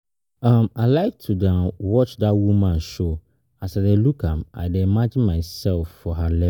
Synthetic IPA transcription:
ãmaɪlaɪk̚tʰudãnwɔt͡ʃdatwumãnʃo | asadelukʰãma̰ɪdeimad͡ʒɪ̃nmaɪsɛlfːɔɦalɛ

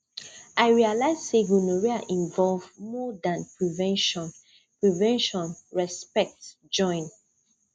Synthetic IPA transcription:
aɪɹialaɪzseɡunoɹiaʔĩɱvɔlvmɔdãnpɹivɛ̃nʃɔ̃n | pɹivɛ̃nʃɔ̃nɹɛspɛk̚t | d͡ʒɔ̃ɪ̃n

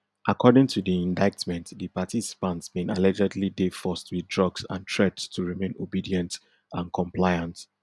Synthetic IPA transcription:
ʔakʰɔdɪ̃ŋtʰudiĩndaɪtmɛ̃ntdipatʰisi̥pãntsmẽnalɛd͡ʒɛdlidefɔstwidɹʌɡsã̰ntʰɹɛdstʰuɹimẽnobidiɛ̃nt | ãnkʰɔ̃mpʰlaɪãnt

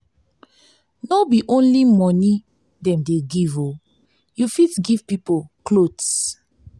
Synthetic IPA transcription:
nobiʔõnlimɔni | dɛ̃mdeɡivo | jufitɡiv̥pipoklods

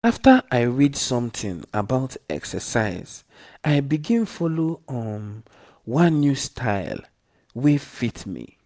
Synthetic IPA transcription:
aftəʔaɪɹidsɔ̃mtʰḭ̃ŋa̰baʊtɛ̰ksə̰saɪz̥ | ʔaɪbiɡĩnfɔloɔ̃n | wãnːjustʰaɪl | wefitmḭ

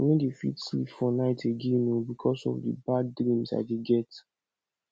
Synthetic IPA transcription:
nedefḭtslḭpfɔnaɪtʰeɡẽnobikʰɔsɔ̰vdə̰badːɹĩmsa̰deɡɛt

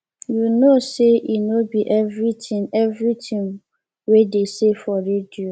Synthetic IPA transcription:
junoseʔinobiʔɛvɾitĩŋɛvɾitʰĩŋ | wedesefɔɾedio

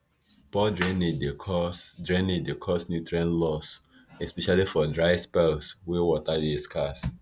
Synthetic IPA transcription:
pɔdɹeneddekʰɔsdɹɛ̃niddekʰɔsnjutɹiãnlɔs | ɛspɛʃalifɔdɹaɪspɛlswewɔtadiskʰas

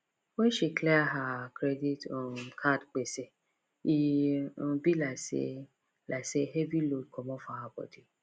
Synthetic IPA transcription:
wɛ̃nʃiklɛaɦakɾeditɔ̃kʰadk͡pese | ĩ | bilasḛ | lʔaseɦevilod̚kɔmɔ̃fahabɔ̰di

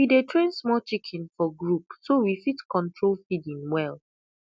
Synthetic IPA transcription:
widetʰɹẽnsmɔt͡ʃikʰĩnfɔɡɹupsowifitkɔ̃ntʰɹolfidĩŋwɛl

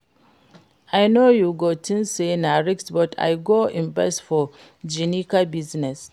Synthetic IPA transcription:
ʔajnojuɡotʰĩnsenaɹiksbɔtʰa̰jɡoːʔɪ̃nbɛsfɔ | d͡ʒinikabiznɛs

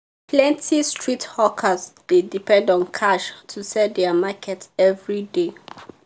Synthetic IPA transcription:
pʰlɛ̃ntʰistʰɹithɔkʰəsdedipɛ̃ndɔ̃nkʰaʃtʰusɛd̪ɛmakʰɛtɛvɹide

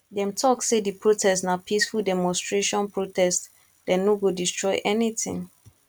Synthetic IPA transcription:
dɛ̃mtʰɔksːedipʰɹotʰɛstnapʰisfuldɛmɔ̃nstɹeʃɔ̃npʰɹotɛst | dɛ̃nːoɡodistɹɔɪʔɛnitɪ̰̃ŋ

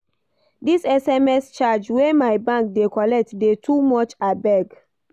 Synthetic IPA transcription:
disɛsɛmɛst͡ʃad͡ʒwemajbãŋk̚dekɔlɛk̚tdetʰumɔt͡ʃabɛɡ

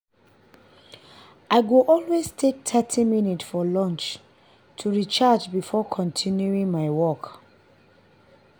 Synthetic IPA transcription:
ʔaɪɡoʔɔlweztʰek̚tʰɛtʰiminitsfɔlɔ̃nt͡ʃ | tʰuɹit͡ʃad͡ʒbifɔkʰɔ̃ntʰinjuĩŋmaɪwɔk

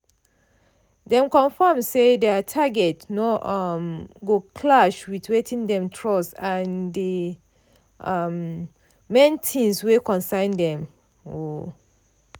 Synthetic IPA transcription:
dɛ̃mkɔ̃nfamsedɛtʰaɡɛtnɔmɡokʰlaʃwitwetʰĩndɛ̃mtʰɹɔsãndi | mː | ɛ̃ntʰĩnswekɔ̃nsãɪ̃ndɛ̃m | o

